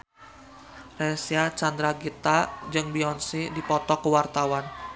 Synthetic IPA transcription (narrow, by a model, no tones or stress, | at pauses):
rɛsiat͡ʃand̪ɾaɡit̪ad͡ʒɨŋbiɔnsidipɔt̪ɔkəwart̪awan